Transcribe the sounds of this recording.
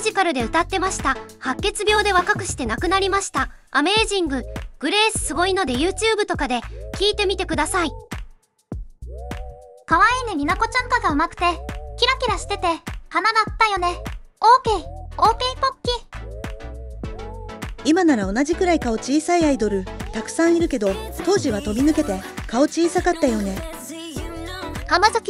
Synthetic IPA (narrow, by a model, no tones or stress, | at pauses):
ʑikaɾɯ̟d̪e̞ɯ̟t̪at̪ːe̞maɕi̥t̪ahakːe̞t͡sɨbʲjo̞ːd̪e̞β̞akakɯ̟ɕi̥t̪e̞nakɯ̟naɾʲimaɕi̥t̪aː | me̞ːʑĩŋɡɯ̟ɡ̥ɯ̟ɾe̞ːsɨ̥sɨɡo̞ino̞d̪e̞jɯːt͡ɕɨːbɯ̟t̪o̞kad̪e̞kʲiːt̪e̞mʲit̪e̞kɯ̟d̪asai | kaβaeneɾʲinako̞t͡ɕãŋkaɡaɯmakɯ̟̥t̪e̞kʲiɾakʲiɾaɕi̥t̪e̞t̪e̞hanad̪at̪ːajo̞ne̞oːkeo̞ːpeipo̞kʲːi | imanaɾao̞nad͡ʑikɯ̟ɾaikao̞t͡ɕiːsaiaid̪o̞ɾɯ̟t̪akɯ̟̥sãɰ̃iɾɯ̟ke̞d̪o̞t̪o̞ːʑiβ̞at̪o̞mʲinɯ̟ke̞t̪e̞kao̞t͡ɕiːsakat̪ːajo̞ne̞ | hamazakʲi